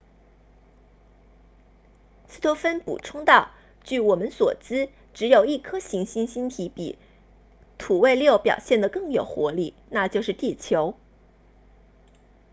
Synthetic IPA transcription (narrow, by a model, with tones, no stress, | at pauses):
sɹ̩˥˩t̪ʰo˧˥fə˥npṵ˨˩ʈ͡ʂʰʊ˥ŋt̪ɑ˥˩ʊ | t͡ɕy˥˩wɔ˨˩mə˦nswɔ˨˩t͡sɹ̩˥ | ʈ͡ʂɻ̩˧˥jo˨˩ʊi˥˩kʰɤ˥ɕi˧˥ŋɕi˥nɕi˥nt̪ʰi˧˥pḭ˨˩ | t̪ʰu˨˩we˥˧ɪljo˥˩ʊpjɑ̰˨˩ʊɕjɛ˥˩nd̪ə˩kɤ˥˩ŋjo˨˩ʊxwɔ˧˥li˥˩ | na˥˧t͡ɕjo˥˧ʊʂɻ̩˥˧t̪i˥˩t͡ɕʰjo˧˥ʊ